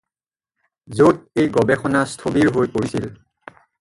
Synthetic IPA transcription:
zot̚ejɡɔbɛxɔnastʰobiɹɦojpoɹisil

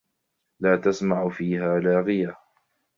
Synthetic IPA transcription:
laːt̪asmaʕfiːhaːlaːɣɪja

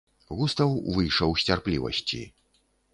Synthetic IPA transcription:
ɣust̪ɐwvɨjʂɐwsʲt͡sʲarplʲḭvɐ̰sʲt͡sʲḭ

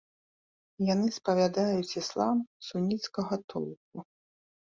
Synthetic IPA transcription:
janɨspɐvʲad̪ajut͡sʲislˠamsunʲit̪skɐɣɐt̪ʰɔlˠk̚u

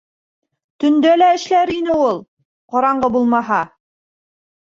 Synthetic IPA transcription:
t̪ɵ̆nd̪ælæɘ̆ʃlæɾinɘulˠ | qɑɾɑɴɢɤbulˠmɑɦɑ

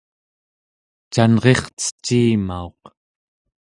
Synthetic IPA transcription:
t͡ʃanʁe̞χt͡sə̥t͡ʃːiːma̰o̞q

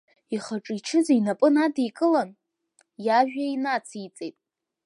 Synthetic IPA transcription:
iχaʈ͡ʂʼiʈ͡ʂʰɨzainapʼɨnadejkʼɨlan | jaʒᶣainat͡sʰit͡sʼejtʼ

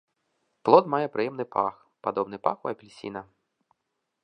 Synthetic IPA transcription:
plˠɔt̪majɛpɾʔɨjɛmnɨpʰa̰x | pad̪ɔbnɨpa̰xuɐpʲilʲsʲḭnɐ

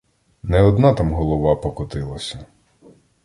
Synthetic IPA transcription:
nɛɔd̪nɑt̪ɑmɦɔlˠɔʋɑpɔkʊt̪ɪlˠɐsʲɐ

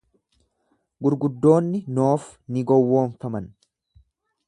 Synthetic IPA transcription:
ɡʊɾɡʊd̪ːo̞ːnːɪno̞ːfnɪɡɔwːo̞ːnfɐmɐn

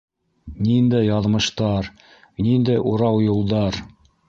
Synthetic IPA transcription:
nind̪æjɑðmɤ̆ʃt̪ɑɾ | nind̪æjʔuɾɑwjulˠd̪ɑɾ

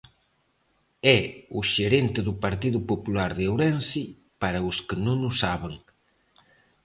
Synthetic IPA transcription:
ɛʊʃeɾent̪ɪðʊpɐɾt̪iðʊpopulaɾðewɾɛnsi | paɾɐʊskɪnõŋʊsaβeŋ

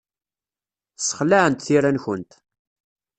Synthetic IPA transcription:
sə̥χlaʕənt̪θiɾançənt̪

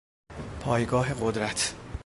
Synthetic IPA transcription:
pʰɒːjɡɒːɦe̞ɢod̪ɾæt̪ʰ

